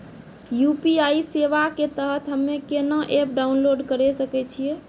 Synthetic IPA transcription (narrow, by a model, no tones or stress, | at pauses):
jupiaiseʋaket̪əɦət̪ɦəmːekenəʔep̚ɖaunloɖkəɾɛsəkɛt͡ʃʰije